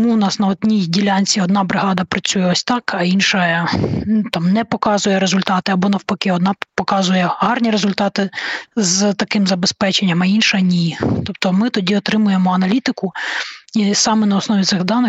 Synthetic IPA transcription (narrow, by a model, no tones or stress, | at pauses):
nuwnɑsnɐɔd̪ʲnʲidʲilʲanʲt͡sʲiɔd̪nɑbɾɪɦɑd̪ɐpɾɐt͡sʲujɛɔsʲt̪ɑkɐinʃɐ | t̪ɑmnɛpɔkɑzʊjɛɾezʊlʲt̪ɑt̪ɪɐbɔnɐwpɐkɪɔd̪nɑpɔkɑzʊjɛɦɑrnʲiɾezʊlʲt̪ɑt̪ɪzt̪ɐkɪmzɐbespɛt͡ʃenʲːɐmɐinʃɐnʲit̪ɔp̚t̪ɔmɪt̪ɔdʲiɔt̪ɾɪmʊjemɔɐnɐlʲit̪ɪkʊisɑmɛnɐɔsnɔʋʲit̪sɪɣd̪ɑnɪ